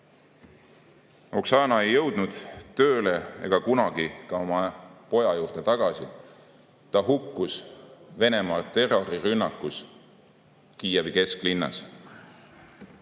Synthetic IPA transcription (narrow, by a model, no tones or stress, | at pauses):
o̞ksɑːnɑe̞jːɤ̞wd̪̥nud̪̥t̪ø̞ːle̞ḛɡ̥ɑkunɑɡ̥ikɑo̞mɑpo̞jɑjuːrd̪̥e̞t̪ɑɡ̥ɑsḭ | t̪ɑɦukˑːusve̞ne̞mɑːt̪e̞rorirynːɑkːˑus | kiːjɑbike̞sklinːɑ̰s